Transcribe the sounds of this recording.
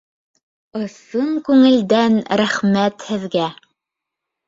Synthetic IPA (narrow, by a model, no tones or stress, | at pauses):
ɤ̆sɤŋkʉŋɘ̆ld̪ænɾæχmæt̪hɘ̆ðɡæ